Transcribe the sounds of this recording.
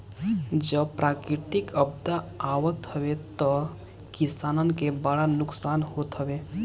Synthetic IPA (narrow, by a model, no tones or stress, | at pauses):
d͡ʒəbpɾʔaːkɾit̪ikʰəb̚d̪aawət̪ɦəʋet̪ɔ | kisaːnənkebaɽanʊksaːnɦoːt̪ɦəʋe